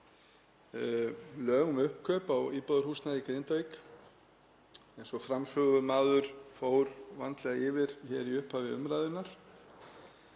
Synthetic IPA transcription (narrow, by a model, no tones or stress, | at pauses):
lœːɣʏmʏhpkʰœːpawiːpɔðʏɾ̥huːst̪naðikɾejnt̪ajk | ɛjnsɔfɾamsœːɣʏmaːðʏɾ̥foːwɾvant̪lɛɣaɪːvɪɾ̥çɛɾiʏhphavɪʏ̰mɾaːðɪnːaɾ̥